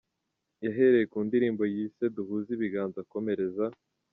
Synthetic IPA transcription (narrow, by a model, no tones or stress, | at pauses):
jaɦe̞ɾe̞jekuːndiɾiːmbo̞jiːse̞duhuːziβiɡaːnzako̞me̞ɾe̞za